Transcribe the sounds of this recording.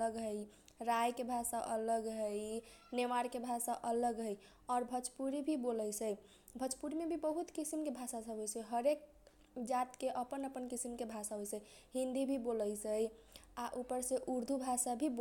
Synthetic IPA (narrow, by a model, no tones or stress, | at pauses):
ləɡɦəj | ɾajkebʱasaʔə̰ləɡɦəjnemaɾkebʱasaʔələɡɦəj | ɔɾbʱət͡ʃpuɾibʱiboləjsʰəj | bʱət͡ʃpuɾmebʱibəɦut̪kisimkebʱasasəbʱɦojt͡ʃʰəɦəɾek̚ | d͡ʒat̪keʔəpənəpənkisimkebʱasaɦojt͡ʃə | ɦĩnd̪ibʱiboləjsəjaʔupəɾsẽʔuɾd̪ʱubʱasabʱib